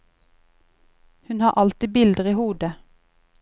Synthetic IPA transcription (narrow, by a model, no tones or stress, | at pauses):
hʉnhɑːʔɑlt̪iːbɪld̪əʁiːhuːd̪ə